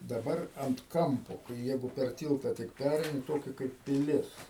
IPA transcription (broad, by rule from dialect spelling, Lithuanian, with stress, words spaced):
dɐˈbɐr ɐnt ˈkɐmpoː kɐɪ ˈjɛɪɡʊ pʲɛr ˈtʲiːlˠtɐ tʲɪk ˈpʲærʲɛɪnʲɪ ˈtoːkʲɛ kɐɪp pʲɪˈlʲɪs